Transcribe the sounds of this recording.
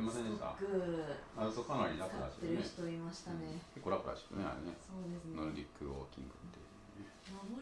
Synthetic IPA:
imasẽnd̪eska̰kɯasokanaɾʲiɾakoɾa̰ɕi̥eɾɯçi̥t̪oimaɕi̥t̪anekekːoɾakoɾa̰ɕi̥kːɯ̰nea̰ɾenesoːd̪esnoɾɯɾʲikːɯoːkʲḭ̃ŋɡɯ̟t̪ːḛj

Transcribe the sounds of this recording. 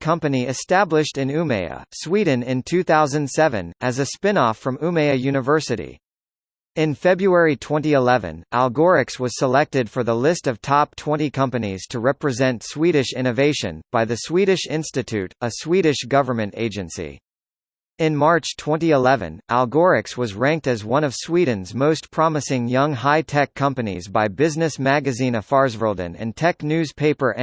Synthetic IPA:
kʰʌ̃mpɨniɨstæblɨʃtɨ̃nʉmeɪɨ̰swidⁿn̩ɪ̃ntʰʉθaʊzɨ̃nd̥sɛvɨ̰̃nɨzɨspɪ̃nɔfɹʌ̃mʉmeɪɨjʉñɨvɜ˞sɨɾḭ | ɨ̃nfɛbɹuɛɹitʰw̥ɛ̃ntiəlɛvɨ̰̃nʔælˠɡɔɹɨkswʌz̥səlɛk̚tɨd̥fə˞ðəlɪstʌv̥tʰɑp̚tʰw̥ɛ̃ñikʰʌ̃mpɨnḭz̥tʰɨɹɛpɹɨzɛ̃ntswiɾɨʃɪ̃ñɨveɪʃɨ̰̃nb̥aɪðɨswiɾɨʃɪ̃nstɨtʰʉɾəswiɾɨʃɡ̥ʌvə˞mɨ̃ntḛɪd͡ʒɨ̃nsḭ | ɨ̃nmɑɹt͡ʃtʰw̥ɛ̃niəlɛvɨ̰̃nʔæ̰lˠɡɔɹɨkswʌzɹæ̃ŋk̚tɨzwʌ̃ñʌv̥swidⁿn̩zmoʊspʰɹ̥ɑmɨsɪ̃ŋjʌ̃ŋɦaɪtʰɛkʰːʌ̃mpɨnḭzbaɪbɪznɨsmæɡɨzĩnʌv̥fɑɹzvə˞lˠdɨ̰̃nɨ̰̃ntʰɛknʉz̥pʰeɪpə˞ʔ

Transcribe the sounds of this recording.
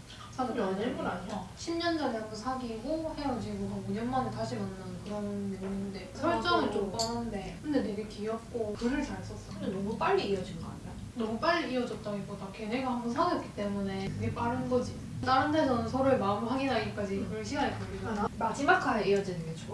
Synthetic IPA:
sʰadeanɯɭɡuɾansʰʌɕʰimɲʌnd͡ʑʌnambonsʰaɡiɡohe̞jʌd͡ʑiɡosʰʌŋuɲʌnmanɯt͈aɕʰiʌnːɯnkɯɾʌnɯdeninɯnde̞sʰʌɭt͡ɕ͈ʌnɯɭt͡ɕ͈omp͈ʌnɯnde̞kʰɯnde̞ne̞ɡe̞kʰiiʌp̚k͈okɯɾɯɭt͡ɕaɾs͈ʌs͈ʌɯndenʌmup͈aʎːiːʌd͡ʑinɡʌa̰ɲia | nʌmup͈aɭːiːʌd͡ʑʌt̚t͈aɡipodakeneɡaɦhambʌnsʰaɡʌp̚k͈i̥t͈e̞mune̞kɯɡe̞p͈aɾɯnɡʌd͡ʑi | taɾɯndʰesʰʌnɯnsʰʌɾɯɭmaɯmɦaɡinaɡik͈ad͡ʑiɡɯɭɕʰiɡaɲik͈ʌɡiɡanamad͡ʑimakʰaeijʌd͡ʑinɯnɡet͡ɕʰo

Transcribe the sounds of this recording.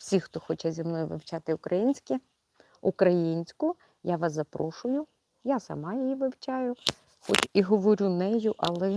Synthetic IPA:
wsʲixt̪ɔxɔt͡ʃɛzʲɐmnɔjʊʋɪ̰wt͡ʃɑt̪ɪʊkɾɐjinʲsʲkʲi | ʊkɾɐjinʲsʲkʊ | jaʋɑszɐpɾɔʃʊjʊ | jasɐ̰mɑjijiʋɪwt͡ʃɑjʊ | xɔt͡ʃiɦɔʋɔɾʲunɛjʊʔɐlˠɛ

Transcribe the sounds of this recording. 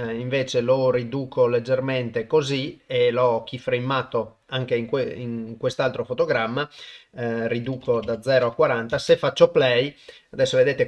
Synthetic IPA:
iɱveːt͡ʃelorid̪uːkʰoled͡ʒːerment̪ekozielɔk̟ːifɾejmːaːt̪o | aŋkeiŋkwiŋkwest̪alt̪ɾofot̪oɡɾamːa | rid̪uːkod̪ad̪zːɛːɾoakwaɾant̪asefːat͡ʃːoplɛjad̪ɛsːoved̪eːt̪e

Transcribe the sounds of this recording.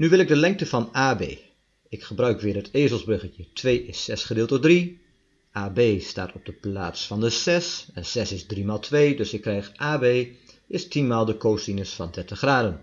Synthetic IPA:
nyʋɪlˠɪɡ̚dəlɛŋk̚təfɑnaːbḛː | ɪkχəbrœɥkʋɪːrɦəteːzəlˠzbrøɣəjətʰʋeːɪsɛsχədɪːlˠtədri | ʔaːbeːsta̰ːtɔb̚dəplaːtsfɑndəsɛsɛnsɛsɪzdrimaːlˠtʰʋeːdɵsɪkːrɛjxʔaːbeː | ʔɪstinmaːlˠdəkoːsinəsfɑndɛrtəχraːdən

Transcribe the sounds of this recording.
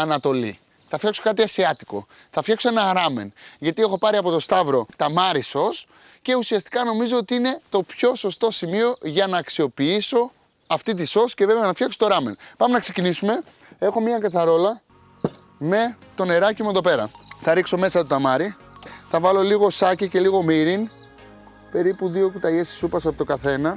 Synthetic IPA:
ɐnɐt̪o̞lḭ | θɐfçɐkso̞kɐt̪iɐsiɐt̪i̥ko̞̰ | θɐfçɐksoe̞nɐɾɐme̞̰nʝɐt̪ie̞xo̞pɐɾiɐpo̞t̪o̞st̪ɐvɾo̞t̪ɐmɐɾiso̞s | ce̞usiɐst̪i̥kɐno̞mizo̞ot̪iine̞t̪o̞pço̞so̞st̪o̞simio̞ʝɐnɐːksio̞piiso̞ | ɐft̪it̪̬iso̞sceve̞veɐnɐfçɐksot̪oɾɐme̞npɐme̞nɐksecinisume̞ | e̞xo̞miɐkɐt͡sɐɾo̞lɐ | me̞t̪o̞ne̞ɾɐcimue̞ðo̞pe̞ɾɐ̰θɐɾikso̞me̞sɐt̪ot̪ɐmɐɾi | θɐvɐlo̞liɣo̞sɐcice̞liɣo̞miɾin | pe̞ɾipuðio̞kut̪ɐʝesi̥supɐsoɐpot̪oɡɐθe̞nɐ

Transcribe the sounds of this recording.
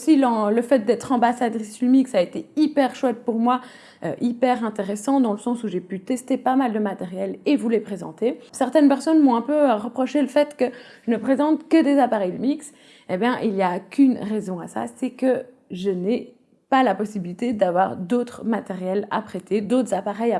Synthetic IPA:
silɑ̃ləfɛt̪̚d̪ɛt̪χɑ̃basad̪ʁislmiksaet̪eipɛʁʃwɛt̪̚puʁmwa | ø̰ʔipɛʁɛ̃t̪eʁesɑ̃d̪ɑ̃ləsɑ̃suʒepyt̪ɛst̪epamald̪əmat̪eʁjɛlevulepχezɑ̰̃t̪esɛʁt̪ɛnpɛʁsɔnmɔ̃ɛ̃pøʁəpχɔʃeləfɛt̪kəʒ̥ənəpχezɑ̃t̪kəd̪ezapaʁɛjd̪əmiks | ebjɛ̃ʔiljakʰʲynʁɛzɔ̃asa̰sɛkə | ʒəne | palapɔsibilit̪ed̪avwa̰ʁd̪ot̪χmat̪eʁjɛla̰pχet̪ed̪ot̪χəzapaʁɛja

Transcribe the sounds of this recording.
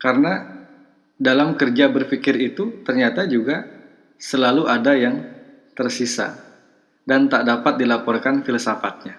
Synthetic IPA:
kaɾəna | dalamkərd͡ʒabərfikɪrit̪ut̪ərɲat̪ad͡ʒuɡa | səlaluʔadajaŋ | t̪ərsisa̰ | dant̪aʔdapat̪̚dilapɔrkanfiləsafat̪̚ɲa

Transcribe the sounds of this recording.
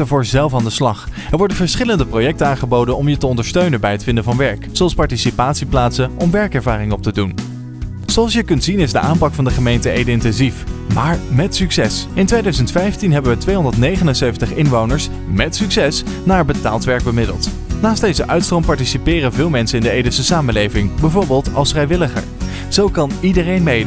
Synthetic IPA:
əvʊːɹzɛlˠfaːndəslɑχ | ɛɹʋɔɹdənvəɹsχɪləndəprojɛk̚tənaːnχəbowdənɔmjətəɔndəɹstøɥnənbɛjɦətfɪndəvɑnʋɛɹkzoɑlˠspɑɹtisipaːtsiplaːtsənʔɔmʋɛɹkɛɹvaːrɪŋɔp̚tədun | z̥oɑlˠsjəkɵntsinɪzdəʔaːmpɑkfɑndəχəmejntəʔejdəɪntɛnzifmaːɹmɛtsyksɛsɪntʋejdœɥzəntfɛjftinɦɛbənʋətʋejɦɔndəɹtnejχənənseɥvəntəχɪnʋownəɹs | mɛtsyksɛsnaːɹbəta̰ːlˠtʋɛɹɡ̚bəmɪdə̰lˠt | naːst̚dejzəʔœɥtstrɔmpɑɹtisipɪːrənvɪːlˠmɛnsənɪndəejdəsəsaːməlejvɪŋbɛvoːɹbɪːlˠtɑ̰lˠsfrɛjʋɪləχə̰ɹ | z̥owkɑnidərejnmejd

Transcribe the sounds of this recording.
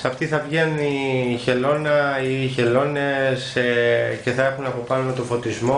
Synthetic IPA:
sɐft̪iθɐvʝenuniçe̞lo̞nɐiçe̞lo̞ne̞s | ce̞θɐe̞xunɐpo̞pɐno̞t̪o̞fo̞t̪izmo̞

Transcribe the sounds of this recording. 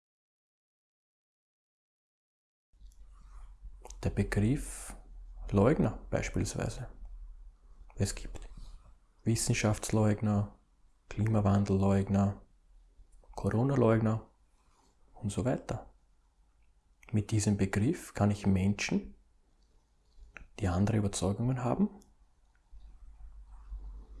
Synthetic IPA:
d̥eːɐbəɡʁɪf | lɔʏɡnɐb̥æ̰ɪʃpḭːlsv̥æ̰ɪzə | ɛsɡ̥i̥ːpt | vɪsn̩ʃaft͡sslɔʏɡnɐ | kʰl̥iːmavand̪l̩lɔʏɡnɐ | kʰoʁoːnalɔʏɡnɐ | ʊntz̥ovæɪtɐ | mɪt̚d̥iːzəmbəɡʁɪfkʰanɪçmɛnʃn̩ | d̥iːandəʁəyːbɐt͡sɔʏɡʊŋənɦa̰ːbm̩

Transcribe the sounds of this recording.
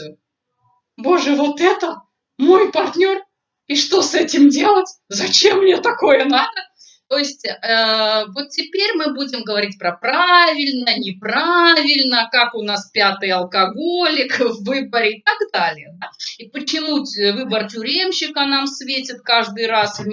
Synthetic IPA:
bo̞ʐɨvo̞t̪ɛt̪ə | mo̞jpɐrtʲnʲo̞r | iʂt̪o̞sɛtʲɪmdʲelˠətʲzɐt͡ɕemːnʲet̪ɐko̞jənad̪ə | t̪o̞jɪsʲtʲəvo̞t̪tʲːɪpʲeɾʲmɨbudʲɪmɡəvɐɾʲit̚ʲpɾɐpɾavʲɪlʲnənʲɪpɾavʲɪlʲnəkakʊnaspʲat̪ɨjɐlˠkɐɡolʲɪkvɨbəɾʲɪɪt̪ɐɡd̪alʲɪjəd̪aipət͡ɕɪmuvɨbərtʲʊɾʲemɕːɪkənamsvʲetʲɪt̪̚kaʐd̪ɨjrasvʲ

